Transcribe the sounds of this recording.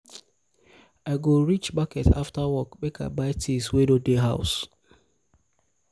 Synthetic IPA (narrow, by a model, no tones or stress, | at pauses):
aɪɡoɾit͡ʃbakɛtʰa̰ftawɔkk͡pekʰa̰baɪtʰiswedodeɦaʊs